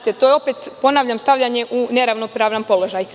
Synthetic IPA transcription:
t̪et̪ojeo̞pet̪po̞naʋʎʲamst̪aʋʎʲaɲe̞ʔuneɾaʋnopɾaːʋlampo̞lo̞ʒaj

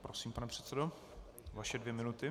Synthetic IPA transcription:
pɾosiːmpanɛpr̥ɛ̥t̪sɛdo | vaʃɛdvjɛmɪnut̪ɪ

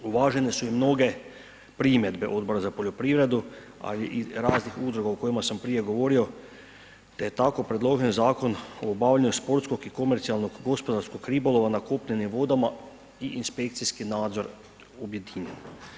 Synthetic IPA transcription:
uʋaːʒɛnesuimnoɡe | pɾimjed̪bɛʔo̞d̪boɾazapoʎopɾiʋɾed̪u | a̰liʔiɾaːznixud̪ɾoɡookojimasampɾijeɡoʋoːɾio | t̪ɛjt̪akopɾed̪loʒenzaːkonoːbaːwʎeɲuspoɾt̪skokikomɛɾt̪sialnoɡɡːospod̪aɾskokɾiːboloʋanakoːpʎenimʋoːd̪ama | iʔinʃpek̚t̪siskinaːd̪zoɾ | objed̪iːɲen

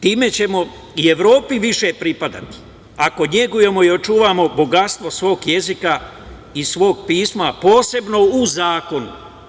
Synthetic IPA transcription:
t̪iːme̞t͡ɕe̞mo̞ | ie̞ʋɾo̞ːpiʋiʃe̞pɾipad̪a̰t̪i̥ | ako̞ɲe̞ɡuje̞mo̞io̞t͡ʃuːʋaːmo̞bo̞ɡat̪st̪ʋo̞sʋo̞ːɡje̞zika | isʋo̞ːɡpiːsmapo̞ːse̞bno̞uzaːko̞nṵ

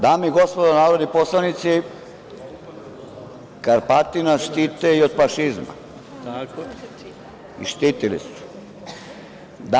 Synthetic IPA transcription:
d̪aːmiɡospod̪anaːɾod̪niposlanit̪si | kaɾpat̪inaʃt̪it̪eiod̪faʃizma̰ | ḭʃt̪iːt̪ilḭsu̥ | d̪a

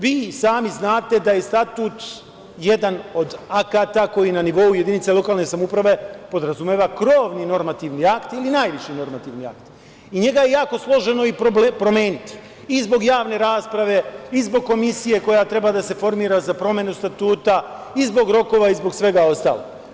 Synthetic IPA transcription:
ʋiːsaːmiznaːt̪e̞d̪aje̞st̪at̪uːt̪ | je̞d̪ano̞d̪akat̪ako̞jinaniʋo̞uje̞d̪init̪selo̞kaːlne̞samupɾaʋe̞po̞d̪ɾazumeːʋakɾo̞ːʋnino̞ɾmat̪iʋniakt̪ilinaːjʋiʃino̞ɾmat̪iːʋnia̰kt̪ | iɲe̞ɡaje̞jaːko̞slˠo̞ʒe̞no̞ipopɾome̞ːnit̪ | izbo̞ɡjaːʋne̞ɾaːspɾaʋe̞izbo̞ɡ̚ko̞misije̞ko̞jat̪ɾe̞bad̪ase̞fo̞ɾmiːɾazapɾo̞mje̞nust̪at̪uːt̪a | izbo̞ɡɾo̞ko̞ːʋaizbo̞ɡsʋe̞ɡao̞st̪a̰ːlo̰ɡ

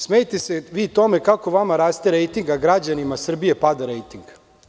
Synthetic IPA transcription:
smejet̪e̞seʋiːt̪o̞me̞kako̞ʋamaɾaːst̪eɾejt̪iŋɡaɡɾad͡ʑanimasr̩bije̞pad̪aɾejt̪iŋɡ

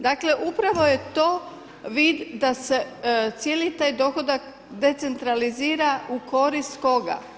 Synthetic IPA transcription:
d̪akle̞ʔupɾaʋo̞je̞t̪o̞ː | ʋid̪ːase̞t̪sjelit̪aːjd̪o̞xo̞d̪ak | d̪e̞t̪se̞nt̪ɾaliziːɾauko̞ɾist̪ko̞ɡa̰

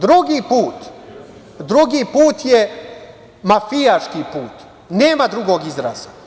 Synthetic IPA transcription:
d̪ɾuɡiːpuːt̪ | d̪ɾuɡipuːt̪je | mafijaʃkipuːt̪ | neːmad̪ɾuɡoɡizɾa̰za

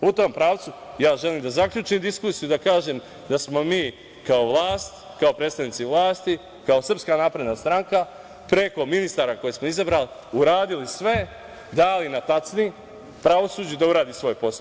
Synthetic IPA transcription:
ut̪o̞ːmpɾaːʋt̪sujaːʒe̞liːmd̪azakʎʲuːt͡ʃimd̪iskuːsijud̪akaːʒem | d̪asmo̞miː | kao̞ʋlˠaːst̪ | kaopɾe̞ːt̪st̪aʋniːt̪siʋlaːst̪i | kaosrpskanaːpɾe̞d̪nast̪ɾaŋka | pɾe̞ko̞minist̪aɾako̞jesmo̞izabɾaːli | uɾaːd̪ilisʋe̞ | d̪alinat̪at͡ʃ̪ni | pɾaʋo̞suːd͡ʑud̪auɾaːd̪isʋo̞jpo̞s

